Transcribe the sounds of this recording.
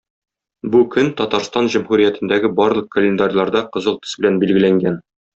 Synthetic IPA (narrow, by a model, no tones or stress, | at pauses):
bukɵnt̪ɒt̪ɑɾst̪ɑnʑumhuɾijæt̪ɘ̆nd̪æɡɘbɒɾlˠɤ̆q̚kə̆lʲend̪arʲjlˠɑɾd̪ɑqŏzɤlˠt̪ɵ̥̆sbɘ̆lænbilɡɘ̆læŋɡæn